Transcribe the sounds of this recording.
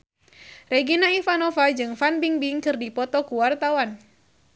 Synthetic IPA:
reɡinaifanɔfad͡ʒɨŋfanbiŋbiŋkɨrdipɔt̪ɔkuwart̪awan

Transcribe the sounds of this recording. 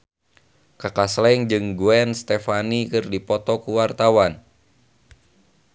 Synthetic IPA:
kakaslɛŋd͡ʒɨŋɡuɛnst̪ɛfanikɨrdipɔt̪ɔkuwart̪awan

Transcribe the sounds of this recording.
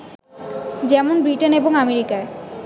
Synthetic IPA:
d͡ʑɛmonbɾiʈeneboŋameɾikae

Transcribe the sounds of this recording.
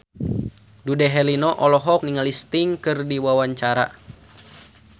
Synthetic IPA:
dudɛɦɛlinɔʔɔlɔɦɔk̚niŋalist̪iŋkɨrdiwawaɲt͡ʃaɾa̰

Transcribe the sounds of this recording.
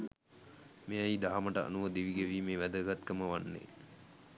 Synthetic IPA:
meajid̪aɦaməʈəa̰nuʋəd̪iʋiɡeʋiːmeːʋæd̪əɡat̪kəməʋanːḛ

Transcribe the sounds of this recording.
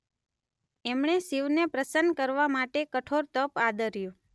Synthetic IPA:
ɛmɳeʃiʋnepɾəsənkəɾʋamaʈekəʈʰoɾt̪əpad̪əɾjũ

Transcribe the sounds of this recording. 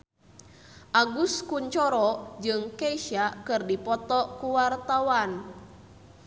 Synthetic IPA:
ʔaɡuskuɲt͡ʃɔɾɔd͡ʒɨŋkeiʃakɨrdipɔt̪ɔkuwart̪awan

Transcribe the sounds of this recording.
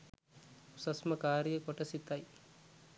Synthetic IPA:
usɐsmɐkaːɾijekoʈɐsit̪ɐj

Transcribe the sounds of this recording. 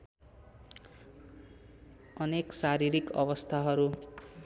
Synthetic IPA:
ʌneksaɾiɾikʌbʌst̪ʰaɦʌɾu

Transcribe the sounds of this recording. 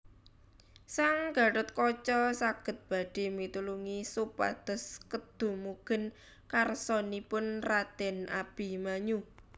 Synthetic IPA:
saŋɡ̥a̤ɾʊt̪̚kɔt͡ʃɔsaɡ̥ə̤t̪̚b̥a̤ɖ̥e̤mit̪uluŋisupa̰d̪̥ɔ̤skəd̪̥ṳmuɡ̥ə̤n | karsɔnipʊnrat̪ɛnab̥i̤maɲu

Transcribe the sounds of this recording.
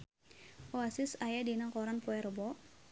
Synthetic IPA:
ɔasisajadinakɔɾanpɔɛrbɔ

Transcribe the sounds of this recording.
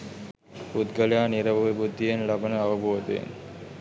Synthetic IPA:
bud̪ɡəljaːniɾɐʋɐʋibud̪ʱːijenlɐbənəɐʋəboːd̪ejḛn

